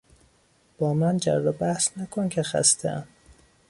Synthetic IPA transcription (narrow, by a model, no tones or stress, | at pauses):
b̥ɒːmænd͡ʒæ̰rːɒːbæhsnækʰoncʲʰexæ̰st̪ʰḛæn